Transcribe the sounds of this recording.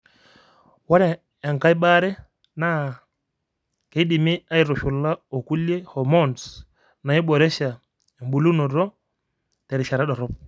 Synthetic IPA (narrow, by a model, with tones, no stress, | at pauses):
wa˦ɾɛ˨ | a˨ŋka˦i˦ɓa˦ɾɛ˦ | na˦ | kɛ˨i˦di˨mi˦a˦i˨ɾɔ˨ʃu˨la˦ɔ˨ku˦lɛ˦hɔ˨mɔ˦˨n | na˨i˦ɓɔ˨ɾɛ˦ʃa˨ | m˨bu˨lu˦nɔ˨ɾɔ˦ | tɛ˨ɾi˨ʃa˨ɾɛ˦ɗɔ˨ɾɔ˦p̚